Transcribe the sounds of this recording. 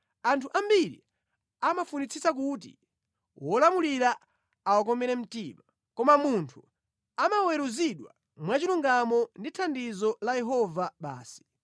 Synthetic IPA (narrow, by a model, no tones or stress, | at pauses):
antʰuʔambiɾḭ | amafunit͡sʰisak̬ut̬ḭ | wʔɔlamuliɾa | awak̬ɔmɛɾɛm̩tima | kɔmamuntʰu | amawɛɾuziɗwa̰ | mwat͡ʃiluŋɡamɔnditʰandizɔlajɛɦɔvaɓa̰ːsi̥